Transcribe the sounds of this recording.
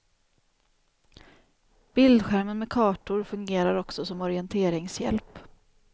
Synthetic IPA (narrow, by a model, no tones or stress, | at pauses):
b̥ɪld̪ɧæɾmənmɛkʰɑːʈʊɾfɵŋɡeːɾaɾɔksɔsɔmɔɾɪɛnt̪ʰeːɾɪŋsjɛ̰lp